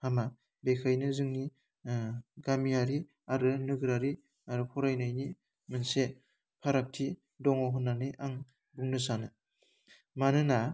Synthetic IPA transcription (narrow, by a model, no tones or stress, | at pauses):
hama | bekʰajnɯzɯŋni | ɡamiaɾi | aɾɯnɯɡɯɾaɾi | aɾɯpʰɔɾajnajni | mɯnse | pʰaɾak̚tʰi | dɔŋɔɦɯnːanɯʔaŋ | buŋnɯsanɯ | manɯna